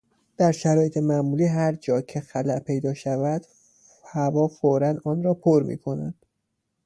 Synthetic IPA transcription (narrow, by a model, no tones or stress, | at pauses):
d̪̥æɾʃæɾɒːjet̪ʰe̞mæmuːliːɦæɾd͡ʒɒːcʰe̞xælæʔpʰe̞jd̪ɒːʃævæd̪̥ | hævɒːfoɾænd̪ɒːnɾɒːpʰoɾmḭːkʰo̞nænd̪̥